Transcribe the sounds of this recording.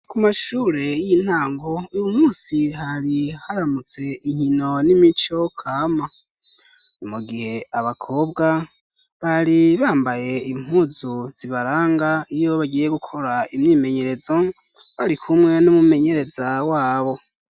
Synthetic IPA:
kumaʃuːɾe̞jin̥haːŋɡo̞ujumuːsiɦaɾihaɾamut͡se̞iɲ̥ino̞nimit͡ʃo̞kʰaːma | omuɡihe̞aβakʰo̞ːbɡa | βaɾiβaːmbaje̞im̥huːzuz̥iβaɾaːŋɡaijo̞βaɟije̞ɡukʰo̞ɾaimɲiːme̞ɲe̞ɾe̞zo̞ | βaɾikʰumŋe̞numume̞ɲe̞ɾe̞zawaːβo̞

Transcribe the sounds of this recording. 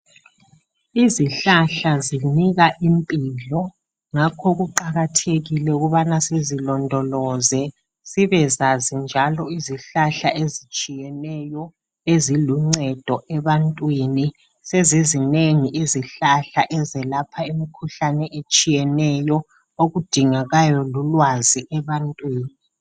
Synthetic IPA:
iziɬaɬaziniɣaʔimpʼilɔ | ŋakʰɔɣuǃaɣatʰeɣilɛuɣuβanasezilɔndʱɔlɔzɛ | siβɛzazind͡ʒʱalɔiziɬaɬaezit͡ʃʼijɛnɛjɔ | eziluŋ͡ǀɛd̥ʱɔʔɛβantʼwini | sezizineŋiʔeziɬaɬaʔɛzɛlapʰaimikʰuɬanɛʔet͡ʃʼijɛnɛjɔ | oɣud̥ʱiŋaɣajɔlulwaziʔɛβantʼwiːni

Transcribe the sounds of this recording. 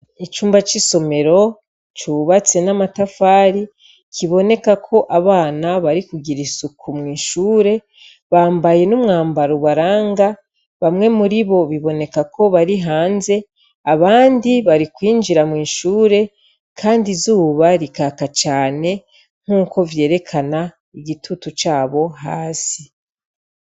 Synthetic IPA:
it͡ʃuːmbat͡ʃiso̞me̞ɾo̞ | t͡ʃuβat͡se̞namatafaːɾi | kʰiβo̞ne̞kakʰo̞ʔaβaːnaβaɾikuɡiɾisukʰumŋiːʃuːɾe̞ | βaːmbaje̞numŋaːmbaɾuβaɾaːŋɡa | βamŋe̞muɾiβo̞βiβo̞ne̞kakʰo̞βaɾiɦaːnze̞ | aβaːndiβaɾikwiːnd͡ʒiɾamŋiːnʃuːɾe̞ | kʰaːndizuːβaɾikaːkat͡ʃaːne̞ | ŋ̥uːkʰo̞vje̞ːɾe̞kʰana | iɡitʰutut͡ʃaːβo̞ɦaːsi

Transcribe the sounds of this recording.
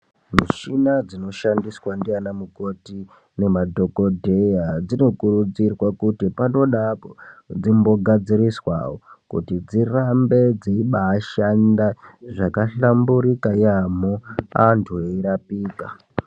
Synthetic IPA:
miʃinad͡zino̞ʃandiswandianamuko̞ti | ne̞madʱo̞ko̞dʱe̞jad͡zino̞kurud͡zirwakutipano̞ɗapod͡zimbo̞ɡʱad͡ziriswa̰wokṵtid͡zirambe̞d͡zeiɓaːʃandaʐakaɬambuɾikajamoantʰueiɾapiːka

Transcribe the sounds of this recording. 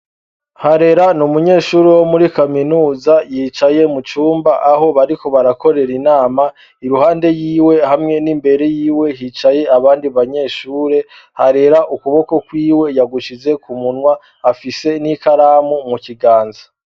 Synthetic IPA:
haɾe̞ɾanumuɲe̞ːʃuːɾewo̞muɾikaminuːzajiːt͡ʃaje̞mut͡ʃuːmbaʔaɦo̞βaɾiko̞βaɾako̞ɾe̞ɾinaːma | iɾuhaːnde̞jiːwe̞hamŋe̞nimbe̞ɾe̞jiːwe̞hiːt͡ʃaje̞aβaːndiβaɲe̞ːʃuːɾe̞ | haɾe̞ɾaʔukuβo̞ko̞kwiːwe̞jaɡuʃize̞kumunwaː | fise̞nikaɾaːmumuciɡaːnzḁ

